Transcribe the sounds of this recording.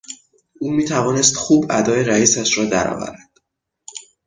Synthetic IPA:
uːmiːt̪ʰævɒːnest̪xuːbæd̪ɒːjeɾæiːsæʃɾɒːd̪æ̰ɾɒ̰ːvæ̰ɾæd̪̥

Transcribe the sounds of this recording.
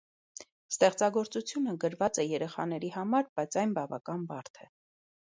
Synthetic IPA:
st̪ɛχt͡sɑɡɔɾt͡sut͡sʰjunəɡəɾvɑt͡sɛjɛɾɛχɑnɛɾiɦɑmɑɾb̥ɑjt͡sʰɑjnbɑvɑkɑnbɑɾt̪ʰɛ

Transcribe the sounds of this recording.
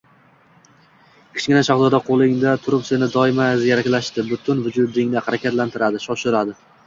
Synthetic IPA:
kʲʰɪ̥t͡ʃɡʲɪnaʃɒχd̪ɒd̪aqʰolˠɪŋd̪at̪ʰʊɾʊpsɪnɪd̪ɒɪmazjaɾakʲlaʃt̪ɪbʊt̪ʰʊnvʊd͡ʒʊd̪ɪŋnɪhaɾakʲat̪lant̪ʰɪɾad̪ɪʃɒʃɪɾad̪ɪ

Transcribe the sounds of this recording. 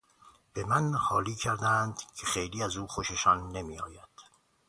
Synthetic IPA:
b̥emænhɒːliːcʰæɾd̪ænd̪cʰexe̞jliːæzuːxo̞ʃeʃɒːnːe̞miːɒːjæd̪̥

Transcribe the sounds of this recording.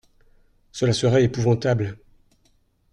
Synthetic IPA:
səlasəʁɛepuvɑ̃t̪abl

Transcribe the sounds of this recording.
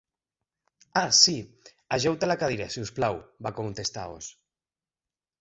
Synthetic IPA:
asi | aʒɛwt̪alakaðiɾasiusplawbakont̪est̪a̰o̰s

